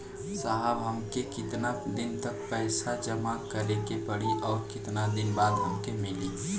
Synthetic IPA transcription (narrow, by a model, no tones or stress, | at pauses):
saɦəbɦəmkekɪt̪nad̪ɪnt̪ək̚pɛɪsad͡ʒəmakəɾekepəɽiʔɔːɾkɪt̪nad̪ɪnbaːd̪ɦəmkemɪli